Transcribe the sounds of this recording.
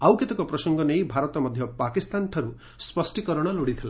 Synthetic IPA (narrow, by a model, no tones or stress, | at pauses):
awket̪ɔkɔpɾɔsɔŋɡɔnejbʱaɾɔt̪ɔmɔd̪ʱjɔpakist̪anʈʰɔɾu | spɔsʈikɔɾɔɽ̃ɔloɽit̪ʰila